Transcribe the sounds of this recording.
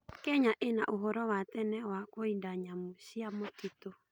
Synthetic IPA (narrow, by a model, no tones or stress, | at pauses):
kɛɲaʔenaʔoɦɔɾɔwat̪ɛnɛwakoindaɲamosiamotito